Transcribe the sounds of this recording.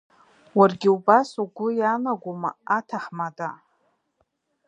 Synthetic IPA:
warɡʲiubasuɡʷʊjanaɡʷumaatʰaħmada

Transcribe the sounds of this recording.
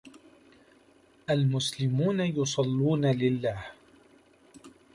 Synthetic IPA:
ʔalmʊslɪmuːnajʊsˤɑlːuːnalɪlːaːh

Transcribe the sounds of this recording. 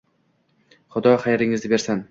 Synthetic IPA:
χʊd̪ɒχajaɾɪŋɪzd̪ɪbe̞ɾsan

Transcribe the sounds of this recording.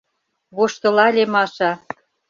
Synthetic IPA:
βoʃt̪ɤ̆lɑlʲemɑʃɑ

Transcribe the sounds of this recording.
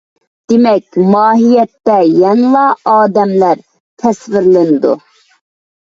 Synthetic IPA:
d̪̥ɪmɛkʲmɑːɦijɛt̪ːɛjɛŋlˠɑɑːd̪ɛmlæɾ | t̪ʰɛsvɪɾlɪnɨd̪ṵ

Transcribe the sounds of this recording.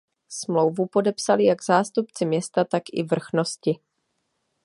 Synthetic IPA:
smlo̞wvupo̞dɛpsalɪjaɡzaːst̪upt͡sɪmɲɛst̪at̪akʔɪ̰vr̩xno̞scɪ

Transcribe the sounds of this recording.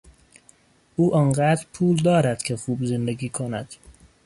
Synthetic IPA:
ʔuːʔɒnɢæːd̪ɾpʰuːld̪ɒːɾæd̪̥kʰexuːbzend̪eɡiːkʰonæd̪̥

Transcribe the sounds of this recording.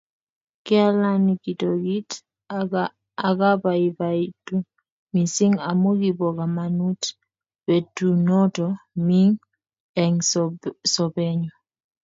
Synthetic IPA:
kɛalanikitɔɡit | aɡabaibaitu | misiŋamuɡibɔɡamanut | bɛtunɔtɔmiŋ | ɛŋ | sɔbɛɲɔ

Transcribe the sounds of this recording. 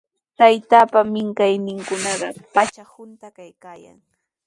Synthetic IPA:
t̪ajt̪apamɪŋkajnɪŋkʊnɑɢɑpat͡ʃahʊnt̪akajkaːja̰ŋ

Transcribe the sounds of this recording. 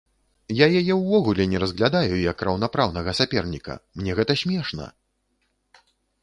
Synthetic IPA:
jajajɛwvɔɣulʲɛnʲɛɾɐzɣlʲad̪ajujɐkrɐwn̪apɾawnɐɣɐsapʲɛrnʲikɐ̰mnʲɛɣɛt̪ɐsʲmʲɛʂnɐ̰

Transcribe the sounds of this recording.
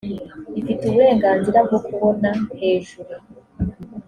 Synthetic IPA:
ifituβuɾe̞ːŋɡaːnziɾab̚ɡo̞kuβo̞nahe̞ːʒuɾu

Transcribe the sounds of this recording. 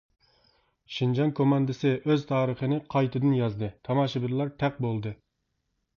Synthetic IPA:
ʃind͡ʒɑnkʰomɑnd̪ɨsɪʔøz̥t̪ʰɑːɾəχənɨqʰɑjt̪ʰɨd̪ɨnjɑzd̪ɨt̪ʰɑmɑːʃɪbɪɾlˠɑɾt̪ʰɛq̚bolˠd̪ɨ

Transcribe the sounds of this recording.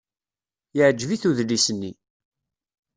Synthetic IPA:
jəʕd͡ʒviθuðlːisənːi

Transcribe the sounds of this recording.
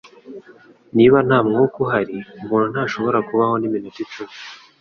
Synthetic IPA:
niβan̥aːmŋukuɦaɾiumuːn̤̥hunhaːʃo̞βo̞ɾakuβaho̞niminutit͡ʃumi

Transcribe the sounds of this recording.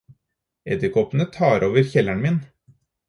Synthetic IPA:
ɛd̪ɪkɔpn̩ət̪ʰɑːɾʔoːʋəɾçɛlæɳmɪn

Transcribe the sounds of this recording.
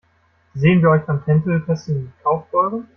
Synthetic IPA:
zeːənviːɐʔɔʏçamtʰɛntl̩pʰɛsn̩ikʰaʊfb̥ɔʏʁən

